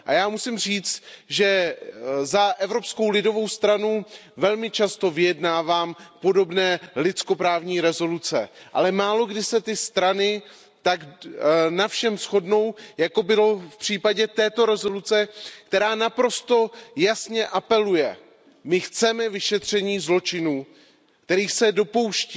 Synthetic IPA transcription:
ʔa̰jaːmusɪmr̝iːt͡st̪ʒɛ | zaʔɛvɾo̞psko̞wlɪdo̞vo̞wst̪ɾanuvɛlmɪt͡ʃast̪o̞vɪjɛdnaːvaːmpo̞do̞bnɛːlɪt͡sko̞pɾaːvɲiːɾɛzo̞lut͡sɛʔa̰lɛmaːlo̞ɡdɪsɛt̪ɪst̪ɾanɪ | t̪aɡnafʃɛmsxo̞dno̞wjako̞bɪlo̞fpr̝̥iːpaɟɛt̪ɛːt̪o̞ɾɛzo̞lut͡sɛkt̪ɛɾaːnapɾo̞st̪o̞jasɲɛʔapɛlujɛ | mɪxt͡sɛmɛvɪʃɛt̪r̝̥ɛɲiːzlo̞t͡ʃɪnuː | kt̪ɛɾiːsɛdo̞po̞wʃcː

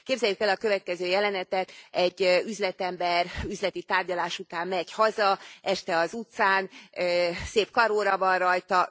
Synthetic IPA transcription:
keːbzɛjːykɛlɒkø̞vɛt̪̚kɛzøːjɛlɛnɛt̪ɛt̪ɛɟːyzlɛt̪ɛmbɛryzlɛt̪it̪aːrɟɒlaːʃut̪aːmmɛɟhɒzɒʔɛʃt̪ɛɒzut̪saːnøseːpkɒɾoːɾɒvɒnrɒjt̪ɒ

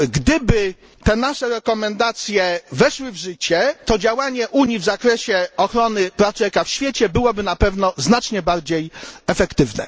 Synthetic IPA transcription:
ɡd̪ɘbɘ | t̪ɛnaʂɛɾɛkɔmɛnd̪at̪sʲjɛvɛʂwɘvʐɘt͡ɕɛt̪ɔd͡ʑawaɲɛʔuɲivzakɾɛɕɛɔxɾɔnɘpɾaft̪uɛkafɕfʲjet͡ɕɛbɘwɔbɘnapɛvnɔznat͡ʂɲɛbaɾd͡ʑejɛfɛkt̪ɘvnɛ̰

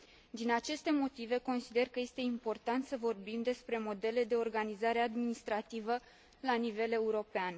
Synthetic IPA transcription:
d̪inat͡ʃe̞st̪e̞mo̞t̪ive̞ko̞nsid̪e̞rkəje̞st̪e̞impo̞rt̪ant̪səvo̞rbimd̪e̞spɾe̞mo̞d̪e̞le̞d̪e̞o̞rɡanizaɾe̞ad̪minist̪ɾat̪ivə | lanive̞le̞uɾo̞pean

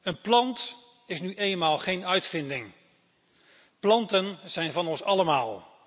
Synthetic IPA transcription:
ənplɑnt | ɪsnyʔejnmaːlˠχejnœɥtfɪndɪŋ | plɑntənz̥ɛjnvɑnɔnsɑləmaːlˠ

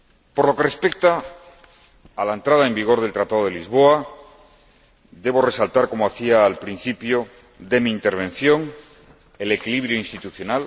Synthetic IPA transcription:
po̞ɾlo̞ke̞re̞spe̞k̚t̪a | laent̪ɾað̞ae̞mbiɣ̞o̞ɾð̞e̞lt̪ɾat̪að̞o̞ðelizβo̞a | d̪e̞β̞o̞re̞salt̪aɾko̞moaθiaːlpɾin̟θipjo | d̪emĩːnt̪e̞ɾβ̞ẽ̞n̟θjo̞ŋ | ele̞kiliβɾjoinst̪it̪uθjo̞nal

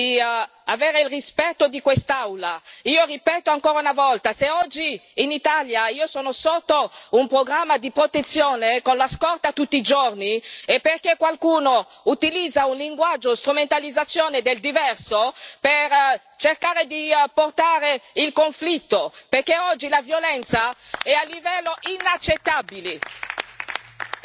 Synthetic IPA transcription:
i | aveːɾeilrispɛt̪ːod̪ikwest̪awlaiːoripɛːt̪oaŋkoːɾaunavɔlt̪aseɔd͡ʒːiːnit̪aljaiːosɔːnosot̪ːoumpɾoɡɾamːad̪ipɾot̪et̪sːjoːnekonlaskɔrt̪at̪ut̪ːiːd͡ʒorniepːerkekwalkuːno | ut̪ilid̪zːaunliŋɡwad͡ʒːost̪ɾument̪alid̪zat̪sːjoːned̪eld̪ivɛrsoper | t͡ʃerkaːɾed̪iport̪aːɾeilkoɱflit̪ːoperkeɔd͡ʒːilavjolɛnt̪saɛalːivɛlːoʔinat͡ʃːet̪ːabile

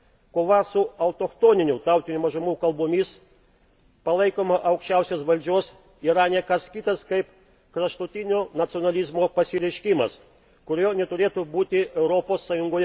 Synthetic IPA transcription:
koːʋɐsʊɐʊt̪oːxt̪oːnʲɪnʲʊt̪ɑˑʊt̪ʲɪnʲumɐʒʊmuːkɐlˠboːmʲis | pɐlˠɐɪkoːmɐʔɐʊkʃʲt͡ʃʲɛˑʊsʲoːsʋɐlʲd͡ʒʲoːs | iːɾɐnʲɛkɐskʲit̪ɐskɐɪp | kɾɐʃt̪ʊt̪ʲɪnʲoːnɐt̪sʲɪonɐlʲizmoːpɐsʲɪɾʲɛɪʃʲkʲimɐ̰s | kʊɾʲoːnʲɛt̪ʊɾʲeːt̪ʊbuːt̪ʲɪʔɛʊɾɔpoːsːɑjʊŋɡoːjɛ

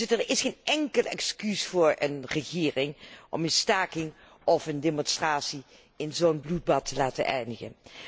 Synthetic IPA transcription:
təɹɪsχeːnɛŋkəlɛ̰kskysfʊːɹə̰nrəχɪːrɪŋʔɔ̰mənstaːkɪŋ | ɔfəndemɔnstraːtsi | ɪnzownblud̚bɑtʰəlaːtə̰nʔɛjndəɣə̰n

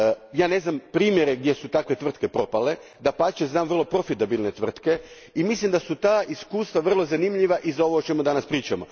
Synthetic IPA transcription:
jaːne̞znampɾiːmjeɾe̞ɡd̪ʲje̞sut̪akʋe̞t̪ʋr̩t̪ke̞pɾo̞pale̞ | d̪apat͡ʃeznaːmvr̩lˠo̞pɾo̞fit̪abilˠne̞t̪ʋr̩t̪ke̞ | imislimd̪asut̪aːiskuːst̪ʋaʋr̩lˠo̞zanimʎiʋaʔizao̞ʋoot͡ʃemud̪anaspɾiːt͡ʃamo

